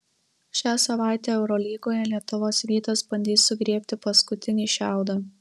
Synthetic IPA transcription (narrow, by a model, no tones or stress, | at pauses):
ʃʲæːsɐʋɑˑɪt̪ʲeːɛʊɾɔlʲiːɡoːjɛlʲiɛt̪ʊʋoːsɾʲiːt̪ɐsbɐnʲd̪ʲiːsːʊɡɾʲiɛpʲt̪ʲɪpɐskʊt̪ʲɪnʲiːʃʲæˑʊd̪ɑ